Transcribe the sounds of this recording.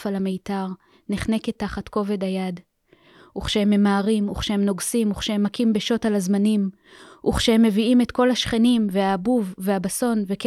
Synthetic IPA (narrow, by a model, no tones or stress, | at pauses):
falameitaʁ | niχneke̞tːaχatko̞ve̞dajad | ʔuχʃehemːe̞maːʁimuχʃehemno̞ɡsimuχʃehemːakimbeʃo̞talazmanim | ʔuχʃehemːe̞viime̞tko̞lhaʃχe̞nimveabuvːe̞habaso̞nve̞k